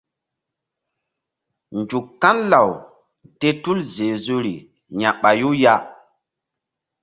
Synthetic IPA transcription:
nd͡ʒu˨kːa˦nla˨w | te˦tu˦lze˨zu˦ɾi˨ | ɲa˨ɓa˨ju˦ja˦

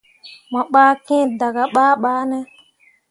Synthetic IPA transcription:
ma˨ɓaː˦kẽ˦˨da˨ɡa˨ɓaː˦ɓaː˦nɛ˦

